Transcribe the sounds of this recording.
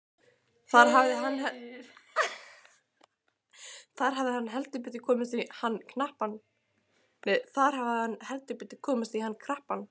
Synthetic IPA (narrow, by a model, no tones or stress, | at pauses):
θaɾ̥ɦavðɪɦanːhɛ | θaɾ̥ɦavðɪhanːɦɛlt̪ʏp̬ɪt̪ːɪ̥kʰɔːmɪst̪vihanːkʰnahpan | nɛθaɾ̥havɪhanːhɛlt̪ʏpɪt̪ːɪ̥kʰɔːmɪst̪vihanːkʰɾahpan